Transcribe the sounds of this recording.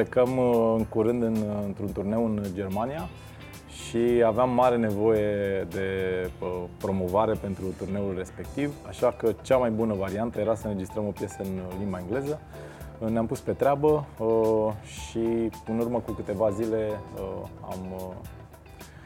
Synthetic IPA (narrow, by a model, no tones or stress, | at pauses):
pekəmɨŋkuɾɨnd̪ɨnnt̪ɾunt̪urne̞wɨnd͡ʒe̞rmanija | ʃiaveamːaɾe̞ne̞vo̞je̞d̪e̞ | pɾo̞mo̞vaɾe̞pe̞nt̪ɾut̪urne̞ulʲre̞spe̞k̚t̪ivaʃakət͡ʃamajbunəvaɾiant̪əje̞ɾasəɨnɾe̞d͡ʒist̪ɾəmo̞pje̞səɨnlimbaeŋɡle̞zə | neampuspe̞t̪ɾʲeabə | ʃiɨnurməkukɨt̪e̞vazile̞əa̰m